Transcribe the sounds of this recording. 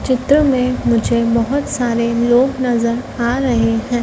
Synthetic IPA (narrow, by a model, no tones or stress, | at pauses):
t͡ʃɪt̪ɾəmẽmʊd͡ʒʱebɐɦʊt̪saːɾeloːɡnɐzəɾaːɾɐɦeɦɛ̃ː